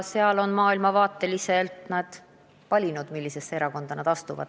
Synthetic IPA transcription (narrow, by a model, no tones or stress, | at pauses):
seɑlo̞nmɑːilmɑvɑːt̪ːˑe̞lise̞lt̪nɑd̪̥ | vɑlʲinud̪̥milʲːise̞sːeeɾɑko̞nd̪̥ɑnɑd̪̥ɑst̪uvɑ̰d̪̥